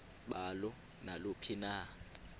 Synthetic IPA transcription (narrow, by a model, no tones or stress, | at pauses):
ɓalɔ | nalopʰina